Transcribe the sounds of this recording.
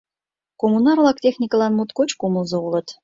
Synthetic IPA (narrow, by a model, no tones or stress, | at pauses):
komunɑɾrlɑk̚t̪ʲexnʲikəlɑnmut̪kot͡ɕkuməlzɤ̆ulə̆t̪